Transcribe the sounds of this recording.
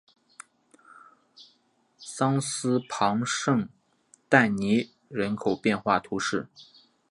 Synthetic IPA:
sɑ˥ŋsɹ̩˥pʰɑ˧˥ŋʂɤ˥˧ŋ | t̪a˥˩ɪni˧˥ | ɻə˧˥nkʰo˨˩ʊpjɛ˥˧nxwa˥˩t̪ʰu˧˥ʂɻ̩˥˩

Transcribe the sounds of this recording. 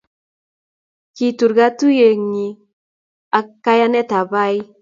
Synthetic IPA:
ki˨tu˨ɾɡa˦tu˦je˨ŋi˨ | a˨ka˦ja˦nɛ˦ta˨ba˦j

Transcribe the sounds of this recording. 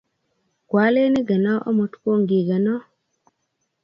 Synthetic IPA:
kwa˨˦le˦ni˦ɡa˨nɔ˦ɔ̰˦mo˨tkʷo˦˨ŋɡi˨ɡa˨nɔ˦

